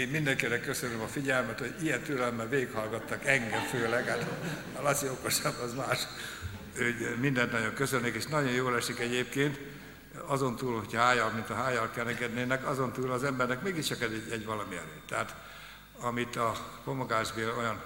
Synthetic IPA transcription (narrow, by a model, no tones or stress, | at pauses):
eːmmind̪ɛŋkeːnːɛkːø̞sønømɒfiɟɛlmɛt̪ho̞ɟijɛnt̪ylɛlmːɛlʋeːɡikhɒlɡɒt̪ːɒkɛŋɡɛɱføːlɛɡaːt̪ɒ | lɒt͡ʃioko̞ʃɒbːɒzmaːʃ | øːmind̪ɛnt̪nɒɟo̞ŋkøsønːikeːʃnɒɟo̞njoːlɛʃikɛɟeːp̚keːnt̪ | ɒzo̞nt̪uːlhocʰɒɦaːjɒlmint̪ɒɦaːjɒlkɛnɛɡɛd̪neːnɛkɒzo̞nt̪uːlɒzɛmbɛrnɛkmeːɡiʃt͡ʃɒkɛd̪ɛɟɛɟʋɒlɒmiɛ̰løːt̪t̪ːɛɦat̪ | ɒmit̪ɒko̞moɡaːʒbeːlo̞jɒn